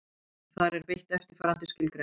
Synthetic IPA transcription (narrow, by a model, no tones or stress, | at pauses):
θaɾɛɾpɪht̪ɛft̪ɪɾ̥faɾant̪ɪ̥scɪlt̪ɾe